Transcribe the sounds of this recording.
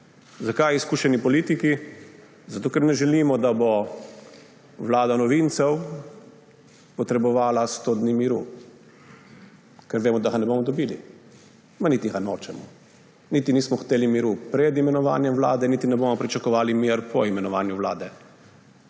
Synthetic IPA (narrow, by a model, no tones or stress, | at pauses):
zakajiskuːʃɛnipɔliːt̪iki | zat̪oːkɛɾnɛʒɛliːmɔd̪abo | ʋlaːd̪anɔʋint̪sɛw | pɔt̪ɾɛbɔʋaːlast̪od̪nimiɾu | kɛɾʋeːmɔd̪aɣanɛbomɔd̪ɔbiːli | manit̪iɣanoːt͡ʃɛmɔ̰ | nit̪iniːsmɔxt̪eːlimiɾupɾɛd̪imɛnɔʋa̰ːnjɛmʋla̰ːd̪ɛnit̪inɛbomɔpɾit͡ʃakɔʋaːlimiɾpʰɔimɛnɔʋaːnjuʋla̰ːd̪ɛ